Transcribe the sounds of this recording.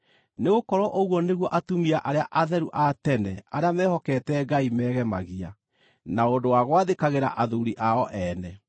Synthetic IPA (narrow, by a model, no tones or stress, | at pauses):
neɣokɔɾɔʔoɣwɔneɣwɔʔatumiaʔaɾeaʔaðɛɾuʔatɛnɛaɾeamɛhɔkɛːtɛɡaimɛːɣɛmaɣia | naondowaɣwaðekaɣeɾa̰ʔaðuɾiʔaɔʔɛːnɛ